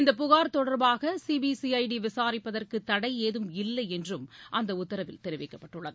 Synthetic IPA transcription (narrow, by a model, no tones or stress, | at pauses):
ɪnd̪ɐpʊɣaːɾt̪ɔɽɐɾbaːɣɐsibisiɐɪɖiʋɪsaːɾɪpːɐðɐrkɯt̪ːɐɽɐɪeːðɯmɪlːɐɪɛndrɯmʔɐnd̪ɐʊt̪ːɐɾɐʋɪ̰lt̪ɛɾɯʋɛɪkːɐpːɐʈːɯɭːɐðɯ